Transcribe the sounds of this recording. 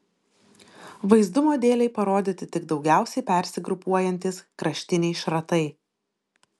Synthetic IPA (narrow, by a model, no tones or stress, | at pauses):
ʋɐɪzd̪ʊmoːd̪ʲeːlʲɛɪpɐɾoːd̪ʲɪt̪ʲɪt̪ʲɪɡd̪ɒʊɡʲæˑʊsʲɛɪpʲɛˑɾʲsʲɪɡɾʊpuɔjɛnʲt̪ʲɪskɾɐʃʲt̪ʲɪnʲɛɪʃɾɐt̪ɐɪ